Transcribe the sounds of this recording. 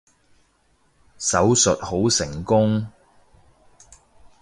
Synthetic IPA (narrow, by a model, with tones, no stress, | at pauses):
sɐ˨˥wsɵ˨t̚ho˨˥wsɪ˨˩ŋkʊ˥ŋ